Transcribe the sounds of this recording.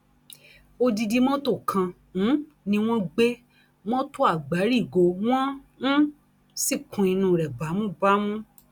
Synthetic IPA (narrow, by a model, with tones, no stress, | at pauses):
o˧di˧di˧mɔ̃˦to˦˨kʰã˧ | nũ˨˦ | nĩ˧w̃ɔ̃˦ɡ͡be˦ | w̃ɔ̃˦to˦a˦˨ɡ͡ba˨˦ɾi˦˨ɡo˨˧w̃ɔ̃˦ | nũ˦ | si˦˨kʰũ˨˧i˧nũ˧˨ɾɛ˨ba˨˦mũ˦˨ba˦mũ˦